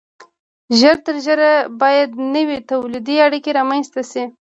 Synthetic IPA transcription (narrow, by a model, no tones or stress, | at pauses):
ʒəɾt̪əɾʒəɾabɑjad̪nəwet̪awlid̪iaɽikeɾɑmajnst̪asi